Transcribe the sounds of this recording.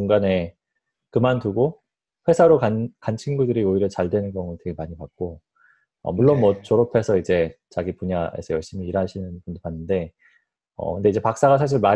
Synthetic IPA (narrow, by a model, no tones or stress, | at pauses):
uŋɡane̞ | kɯmantuɡo | ɸwe̞sʰaɾokankant͡ɕʰinɡudɯɾioiɾjʌt͡ɕaɭdwe̞nɯnɡjʌŋonotwe̞ɡemaɲipak̚k͈o | ʌ̰muɭːonmwʌt͡ɕoɾopʰe̞sʰʌid͡ʑe̞t͡ɕaɡipuɲae̞̰sʰʌjʌɭɕ͈imiːɾɦaɕʰinɯnpundopanːɯnde̞ | ʌ̰kɯnde̞id͡ʑe̞pak̚s͈aɣasʰaɕ̬ʰiɭma